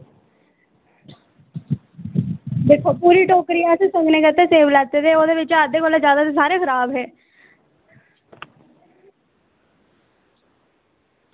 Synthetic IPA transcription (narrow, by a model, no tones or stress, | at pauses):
d̪eːkʰoːpuːɾiːʈoːkɾiːɛsesəŋɡneːkət̪eːseːʋlɛt̪et̪eːoːd̪eːʋɪt͡ʃaːd̪eːkoːleːzjaːd̪aːsesaːɾeːkʰəɾaːbɦɛː